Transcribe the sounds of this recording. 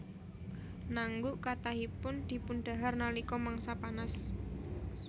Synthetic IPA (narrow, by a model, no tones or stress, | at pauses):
naŋɡuʔkat̪aɦipʊnd̪̥i̤punɖ̥a̤ɦarnalikɔmaŋsapanas